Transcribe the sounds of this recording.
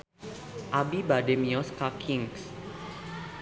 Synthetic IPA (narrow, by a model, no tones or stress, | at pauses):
ʔabibademiɔskakʰiŋs